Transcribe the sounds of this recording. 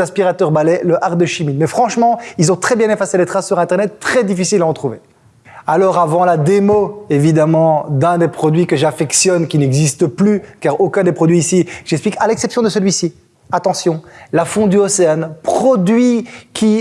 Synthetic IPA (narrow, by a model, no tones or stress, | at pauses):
ɛ̃spiʁat̪œʁbalɛləʔaʁd̪əʃimimɛfχɑ̃ʃmɑ̃ilzɔ̃t̪χɛbjɛ̃nefaselet̪χasːyʁɛ̃t̪ɛʁnɛt̪ːχɛd̪ifisilaɔt̪χuve | alɔʁavɑ̃lad̪emoevid̪amɑ̃d̪ɛ̃d̪epχɔd̪ɥikəʒafɛksjɔnkʲinɛɡzist̪əplykaʁokʲɛ̃d̪epχɔd̪ɥiːsiʒɛksplikalɛksɛpsjɔ̃d̪əsəlɥisi | at̪ɑ̃sjɔ̃lafɔ̃d̪yɔseanpχɔd̪ɥikʲi